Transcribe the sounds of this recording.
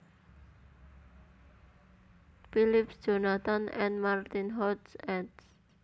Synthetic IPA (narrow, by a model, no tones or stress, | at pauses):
filɪpsd̥ʒ̥o̤nat̪anʔɛ̰̃nmart̪inɦɔtsɛt